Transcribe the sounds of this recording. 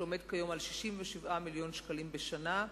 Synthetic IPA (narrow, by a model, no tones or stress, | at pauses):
ome̞dkajo̞malʃi̥ʃimveʃivʔamiljo̞nʃkalimbeʃana